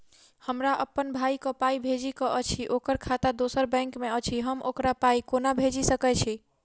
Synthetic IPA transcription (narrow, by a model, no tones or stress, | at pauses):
həmɾaʔəpːənbʱaikɔpaibʱed͡ʒikɔʔət͡ʃʰiʔokəɾkʰat̪ad̪osəɾbɛ̃ŋkmeət͡ʃʰiɦəmʔokɾapaikonabʱed͡ʒisəkɛt͡ʃʰi